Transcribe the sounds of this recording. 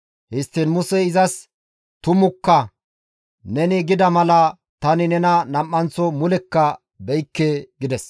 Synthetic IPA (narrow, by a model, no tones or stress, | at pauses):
hɪst̪ːɪnmʊsɛɪzɐs | t̪ʊmʊkːɐ | nɛnɪɡɪd̪ɐmɐlɐ | t̪ɐnɪnɛnɐnɐmːɐnt͡sɔmʊlɛkːɐ | bɛjkːeːɡɪd̪ɛs